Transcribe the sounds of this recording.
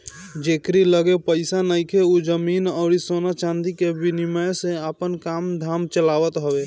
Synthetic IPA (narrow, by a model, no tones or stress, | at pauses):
d͡ʒekɾiləɡepəɪsanəjkʰeud͡ʒəminɔʊɾisonat͡ʃãnd̪ikebiniməjsẽapənkamd̪ʱamt͡ʃəlawət̪ɦəbe